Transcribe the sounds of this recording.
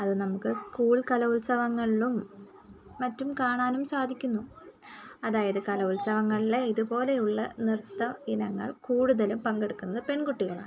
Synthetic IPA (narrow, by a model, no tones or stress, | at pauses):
ɐðɨnɐmukːɨskuːɭkɐlɐulsɐʋɐŋːɐɭilumː | ɐtːumkaːɳaːnumsaːd̪ʱikʲːunːu | ɐðaːjɐðɨkɐlɐulsɐʋɐŋːɐɭile̞iðupo̞ːle̞juɭːɐnirt̪ːɐinɐŋːɐ̰ɭkuːɽuðɐlumpɐŋɡeɽukːunːɐðɨpe̞ɳkuʈːiɣɐɭa̰ːɳ